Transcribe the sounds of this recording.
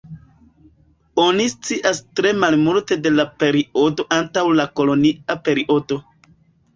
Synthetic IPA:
onist͡siʔastɾe̞malmulte̞de̞lape̞ɾio̞do̞ʔantawlako̞lo̞niape̞ɾiʔo̞do̞

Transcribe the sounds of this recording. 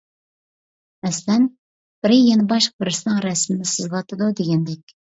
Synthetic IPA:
ɛslɛn | b̥ɪɾɪjenɪbɑʃq̚bɪɾɪsɪnɨŋɾɛsmɪnɪsɨzlˠɑt̪ʰɨd̪ud̪eɡʲɛnd̪ɛkʲ

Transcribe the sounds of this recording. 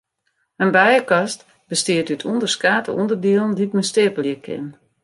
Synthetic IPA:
ənbɛjəkɑst | bəstiətytʰundərskaːtə̰undərdiəlˠn̩ditməstɪəpəljəkʰɪ̰n

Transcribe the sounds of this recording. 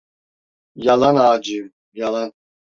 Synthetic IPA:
jalˠanaːd͡ʒɯm | jalˠan

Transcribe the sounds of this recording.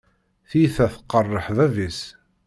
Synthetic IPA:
θiθæθə̥qːərˤːəħðævis

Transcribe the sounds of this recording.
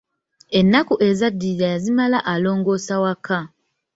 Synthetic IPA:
enːakuʔe̞zadːiɾajazimalaʔalo̞ːŋɡo̞ːsawakːa

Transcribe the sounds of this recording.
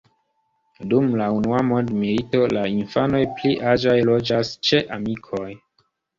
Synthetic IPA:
dumlaunuamo̞ndmilito̞lainfano̞jpliʔad͡ʒajlo̞d͡ʒast͡ʃe̞ʔamikʰo̞j

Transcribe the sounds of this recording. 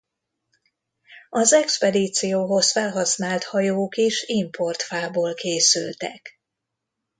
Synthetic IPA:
ɒzɛkspɛd̪iːt̪sijoːɦo̞sfɛlɦɒsnaːlt̪hɒjoːkiʃimpo̞rt̪faːboːlkeːsy̰lt̪ɛ̰k

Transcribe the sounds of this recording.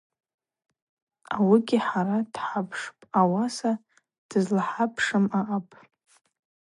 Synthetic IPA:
awiɡʲiħaɾad̥ħapʰʂpʼawasa | d̥ɨzlaħapʰʂɨmaʔapʼ

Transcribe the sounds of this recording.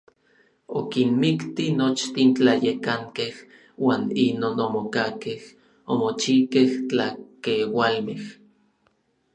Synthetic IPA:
okinmikt̪inot͡ʃt̪int͡ɬajekaŋkeh | waːninoːnomokakeh | omot͡ʃikeht͡ɬakewalmeh

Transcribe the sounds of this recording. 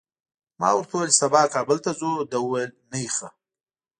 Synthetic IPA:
mɑ̰wəɾt̪ʰawelsabɑːkɑːbɪlt̪azod̪awwajlnajixa

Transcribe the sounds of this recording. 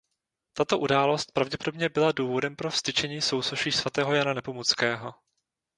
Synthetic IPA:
t̪at̪o̞ʔudaːlo̞st̪̚pɾavɟɛpo̞dobɲɛbɪladuːvo̞dɛmpɾo̞fst̪ɪt͡ʃɛɲiːso̞wsoʃiːsvat̪ɛːɦo̞jananɛpo̞mot͡skɛːɦo̞

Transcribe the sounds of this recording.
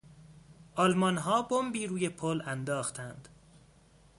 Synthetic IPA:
ʔɒːlmɒnɦɒːbombiːɾuːjepʰolænd̪ɒːxt̪ʰænd̪̥

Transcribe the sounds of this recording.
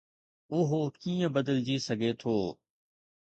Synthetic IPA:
ʊɦokiːə̃bəd̪əld͡ʑiːsəɡʱet̪ʰoː

